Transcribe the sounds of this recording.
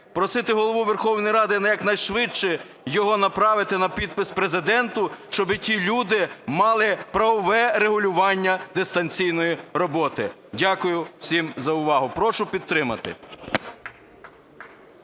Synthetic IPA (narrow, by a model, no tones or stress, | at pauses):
pɾɔsɪt̪ɪɦɔlˠɔʋuʋerxɔwnɔjɾɑd̪ɪnɐjɐknɐjʃʋɪt͡ʃt͡ʃɛ | jɔɦɔnɐpɾɑʋɪt̪ɪnɐpʲid̪̚pɪspɾezɪd̪ɛnt̪ʊʃt͡ʃɔbɪtʲilʲud̪ɪmɑlˠɪpɾɐʋɔʋɛɾeɦʊlʲʊʋɑnʲːɐd̪est̪ɐnʲt͡sʲijnɔjiɾɔbɔt̪ɪ̰ | dʲakʊjʊw̥sʲimzɐʊʋɑɦʊpɾɔʃʊpʲid̪̚t̪ɾɪmɐt̪ɪ̰